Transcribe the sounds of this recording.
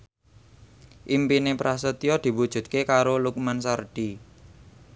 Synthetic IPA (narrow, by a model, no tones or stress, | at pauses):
ʔimpinepɾas̬ət̪iɔd̪̥i̤wud̥ʒ̥ṳt̪̚kekaɾoluk̚mansarɖ̥i